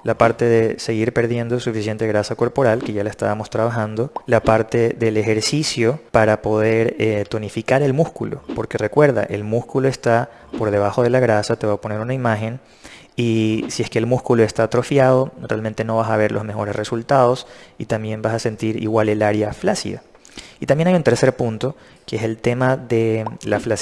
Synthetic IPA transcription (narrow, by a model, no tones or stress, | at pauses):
lapaɾt̪e̞ðe̞se̞ɣiɾpe̞ɾðje̞nd̪osufisje̞nt̪e̞ɣɾasako̞ɾpo̞ɾalke̞ʝalaest̪a̰βamo̞st̪ɾaβaxãnd̪o̞lapaɾt̪e̞ðe̞le̞xe̞ɾsisjo̞paɾapoðe̞ɾet̪o̞nifikaɾe̞lmuskulo̰po̞ɾke̞re̞kwe̞ɾða̰ʔe̞̰lmuskuloe̞st̪a | po̞ɾðe̞β̞axo̞ð̞e̞laɣɾasat̪e̞βapo̞ne̞ɾunaimaxe̞n | isie̞skeːlmuskuloe̞st̪at̪ɾo̞fjaðo̞realment̪e̞no̞β̞asaβe̞ɾlʔo̞zme̞xo̞ɾe̞sre̞sult̪að̞o̞sit̪ambje̞mbasase̞nt̪iɾḭɣwale̞laɾjaflasḭða̰ | it̪ambjenajunt̪eɾse̞ɾpunt̪o̞ | keese̞lt̪e̞maðe̞laflas